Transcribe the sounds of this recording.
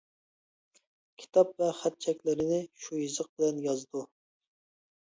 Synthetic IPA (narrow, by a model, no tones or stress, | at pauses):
kʲʰi̥t̪ʰɑp̚vɛχæt̪̚t͡ʃʰɛkʲlɪɾɪnɪʃujizəq̚bɪlɛnjɑzd̪u